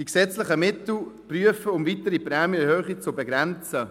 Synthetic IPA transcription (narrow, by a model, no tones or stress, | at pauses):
d̥iksɛt͡slɪχəmɪtl̩pryəfəʊmvitəɾiprɛːmiəhøːχit͡sʊbɛɡɾɛnt͡sə